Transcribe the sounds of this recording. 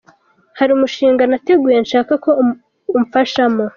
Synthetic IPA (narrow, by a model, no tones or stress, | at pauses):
haɾiumuʃiːŋɡanate̞ɡuje̞nʃaːkako̞ | umufaʃamo